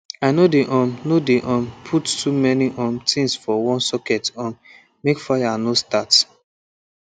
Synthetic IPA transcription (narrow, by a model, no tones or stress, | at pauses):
aɪnodeʔɔ̃mnodeʔɔ̃mpʰuttʰumɛniʔɔ̃mtʰĩŋsfɔwɔ̃nsɔkɛtɔ̃n | mekfaɪjanostat